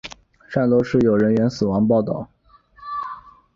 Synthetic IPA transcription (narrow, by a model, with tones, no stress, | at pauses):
ʂa˥˧nlwɔ˥˧ʂɻ̩˥˩jo˨˩ʊɻə˧˥nɥɛ˧˥nsɹ̩˨˩wɑ˧˥ŋp̬ɑ˥˧ʊt̪ɑ˥˩ʊ